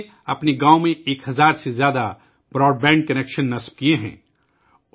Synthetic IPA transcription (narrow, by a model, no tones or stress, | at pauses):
ɐpneɡãːomẽeːkɦɐzaːɾsezjaːd̪a | bɾɔːɖ̚bɛ̃ːɳɖ̚kɐneːkʃənːɐsb̥̚kieɦɛ̰̃ː